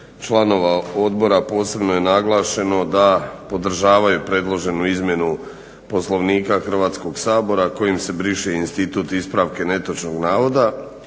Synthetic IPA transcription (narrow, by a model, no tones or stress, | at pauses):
t͡ʃlˠano̞ʋao̞d̪bo̞ɾapo̞ːse̞bnoje̞naɡlˠaːʃe̞no̞d̪apo̞d̪r̩ʒaːʋajupɾe̞d̪lˠo̞ʒe̞nuizmje̞nu | po̞slo̞ʋniːkaxr̩ʋaːt̪sko̞ɡsaːbo̞ɾako̞jimse̞bɾiʃiinst̪it̪uːt̪ispɾaʋke̞ne̞t̪ot͡ʃno̞ɡnaːʋo̞d̪a